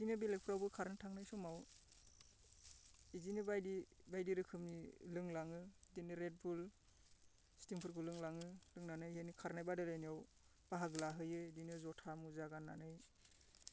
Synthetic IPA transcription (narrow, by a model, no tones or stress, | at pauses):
izinɯbelek̚pʰɾawbɯkʰaɾnɯtʰaŋnajsɔmaw | izinɯbajdibajdiɾɯkʰɯmnilɯŋlaŋɯdinɯɾet̚bul | stiŋpʰɯɾkʰulɯŋlaŋɯlɯŋnanɯjhenikʰaɾnajbadɯlajnijaw | b̥aɦaɡɯlaɦɯjɯdinɯzɔtʰamuzaɡanːanɯj